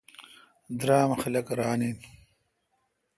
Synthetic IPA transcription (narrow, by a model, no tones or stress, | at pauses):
d̪ɾaːmɐxɐlɐkɐɾaːnin